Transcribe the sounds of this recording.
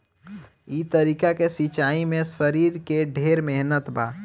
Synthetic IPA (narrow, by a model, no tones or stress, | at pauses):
it̪əɾiːkakesit͡ʃaːimẽsəɾiːɾkeɖʱeːɾmeɦnət̪baː